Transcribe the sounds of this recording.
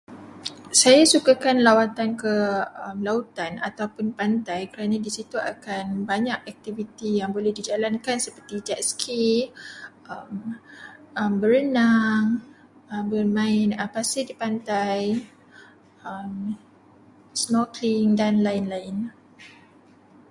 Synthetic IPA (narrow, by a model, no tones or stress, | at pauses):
sajasukakanlawat̪ankəəmlaut̪ana̰t̪awpʊnpant̪ajkəɾanãdisit̪ua̰kanbaɲakɛk̚t̪ivit̪ijaŋbolɛhdid͡ʒalankansəpərt̪id͡ʒat̪skʰi | əm | əmbəɾənaŋ | əmbərmãɪnəpasɪdipant̪aj | əm | smɔkliŋdanlaɪnlaɪn